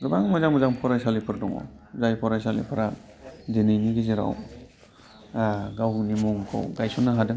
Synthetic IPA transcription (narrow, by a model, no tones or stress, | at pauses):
ɡɯbaŋmazamɯzaŋpʰɔɾajsalipʰɯɾdɔŋɔ̰ | zajpʰɔɾajsalḭpʰaɾa | dinɯjniɡeziɾa̰w | ɡawnimɔŋkʰɔ̰wɡajsunaɦadɯ